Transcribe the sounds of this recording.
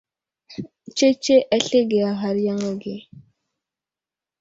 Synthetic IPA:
t͡ʃe˦t͡ʃe˦ʔa˦ɬe˦ɡe˨a˨ɦa˨ɾja˦ŋa˦ɡe˨

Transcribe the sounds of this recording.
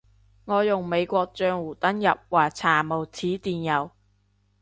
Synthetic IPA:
ŋɔː˨˧jʊ˨˩ŋme˨˧jkʷɔː˧k̚t͡ʃœː˧ŋwuː˨˩t̪ɐ˥njɐ̰˨p̚waː˨˩t͡sʰaː˨˩mo˨˩wt͡sʰiː˨˥t̪iː˨˩njɐ˨˩w

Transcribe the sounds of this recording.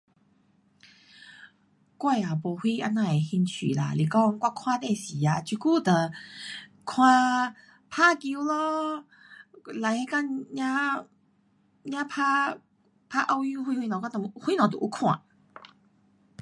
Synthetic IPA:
kwa˥˧˩ja˨˩bo˨˩hwi˧a˧nã˧˨e˨˩hi˧nt͡ɕʰḭ˨la̰˧li˨˩kɔ˧ŋkwa˧kʰw̃ã˧ne˧˩si˨˦a˧t͡ɕi˧ku˥˦t̪ə˨ | kʰw̃ã˧ | pʰa˦˧ki˧wlɔ˧˦ | la˨˧jhe˧˦ka˥˧˨ɲã˦˥ | ɲã˦pʰa˧ | pʰa˦˧ʔa˧wju˧˦hi˧hi˧ñ˨kɔ˧˥˧t̪ə˨˧hwi˦nɔ̃˨˩t̪ə̰˨ʔu˧˦kʰw̃ã̰˨˩˨

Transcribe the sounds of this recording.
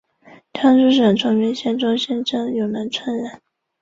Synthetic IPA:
t̪ʰjɑ˥ŋʈ͡ʂu˥ʂə˨˩nʈ͡ʂʰɤ˧˥ŋɥɛ˧˥nɕjɛ˥nʈ͡ʂɑ˥ŋɕjɛ˥nʈ͡ʂʰɤ˥ŋjo˨˩ʊna˧˥nt͡sʰwa˥nɻa˨˩˦n

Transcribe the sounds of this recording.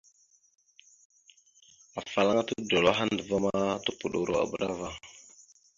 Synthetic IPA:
a˨fa˨la˦ŋa˦tu˦do˨la˦ɦa˦nndə˨va˦ma˦tu˦pu˨ɗo˨ɾo̰˨a̰˨bə˨ɗa˦va˦

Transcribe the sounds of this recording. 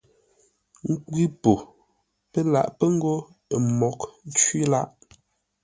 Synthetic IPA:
ŋ̩˦kwi˦po˨ | pə˦la̰˨ʔpə˦ŋ̩˦ɡo˦˨ | mɔ˨kn̩˦t͡ʃwi˦la˦ʔ

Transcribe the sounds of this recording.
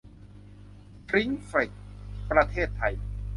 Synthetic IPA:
kɾi˦˥ŋfi˨˩k̚pɾa˧t̪ʰeː˥˩t̪ʰːa˧j

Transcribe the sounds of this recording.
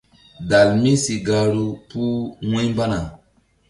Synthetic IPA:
da˨lmi˦si˨ɡa˨ɾu˨pu˦wũ˦jmba˦na˨

